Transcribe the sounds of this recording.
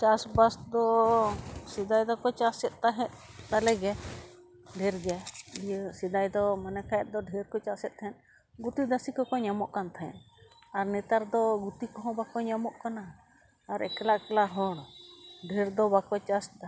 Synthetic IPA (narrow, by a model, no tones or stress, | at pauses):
t͡ʃasbasd̪ɔ | sid̪ajd̪ɔkɔt͡ʃasɛt̪̚ˀt̪aɦɛ̃t̪̚t̪alɛɡɛ | ɖʱɛɾɡɛijsid̪ajd̪ɔmanɛkʰajɛt̪̚d̪ɔɖʱɛɾkɔt͡ʃasɛt̪̚ˀt̪ʰɛ̃n | ɡut̪id̪asikɔkɔɲamɔʔkant̪ʰaɛ̰̃n | aɾnɛt̪aɾd̪ɔɡut̪ikɔɦɔ̃bakɔɲamɔʔkanaː | ɾɛ̰kɛlaʔkɛlaɦɔɽɖʱɛɾd̪ɔbakɔt͡ʃasd̪a